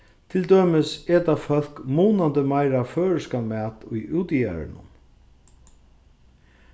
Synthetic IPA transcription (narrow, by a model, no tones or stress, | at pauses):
t̪ʰɪld̪øːmɪsɛt̪afœl̥kmuːnant̪əmajɾaføːɻəskamɛːt̪ʊjʔuwt̪ija̰ɾɪ̰nʊ̰n